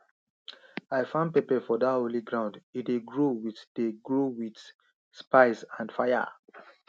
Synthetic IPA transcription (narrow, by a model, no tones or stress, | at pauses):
aɪfãnd̚pepɛfɔdatoliɡɹãʊ̃ndideɡɹowitdeɡɹowid | spaɪsãnfaja̰